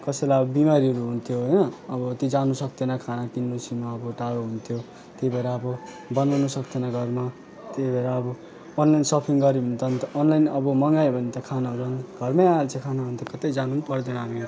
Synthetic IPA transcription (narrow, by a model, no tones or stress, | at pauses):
kʌsejlajʌbʌbimaɾiɦʌɾuɦunt̪ʰjoɦʌjnʌːbʌt̪id͡zanusʌk̚t̪enʌkʰanakinːusimaːbʌʈaɽoɦunt̪ʰjo | t̪jebʱeɾaːbʌ | bʌnawnusʌkt̪enʌɡʱʌrma | t̪ebʱʌɾaːbʌː | nlajnsʌpʰiŋɡʌɾiɦunt̪ʌnt̪onlajnʌbʌmʌŋɡajbʱʌnt̪ʌkʰanaud͡zʌnɡʱʌrmʌjaalt͡sẽkʰanabʱʌnt̪ʌkʌt̪ʌjd͡zanunpʌrd̪eñɦami